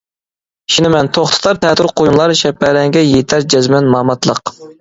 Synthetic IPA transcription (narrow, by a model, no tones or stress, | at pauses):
ʃinɪmɛnt̪ʰoχt̪ʰɨ̥t̪ʰɑɾt̪ʰɛt̪uɾqʰojunlˠɑɾʃɛpːɛɾɛŋɡʲɛjet̪ʰæɾd͡ʒɛzmɛnmɑːmɑt̪ʰlˠəq